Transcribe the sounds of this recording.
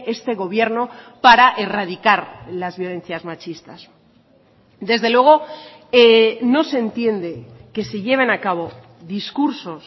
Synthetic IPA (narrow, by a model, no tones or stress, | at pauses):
e̞st̪e̞ɣ̞o̞β̞je̞ɾno̞paɾaʔe̞raðikaɾlazβjo̞le̞n̟θjazmat͡ʃist̪as | d̪e̞zðe̞lweɣ̞o̞ | eno̞se̞nt̪je̞nd̪e̞ke̞siʎe̞β̞e̞nakaβo̞ | ðiskuɾso̞s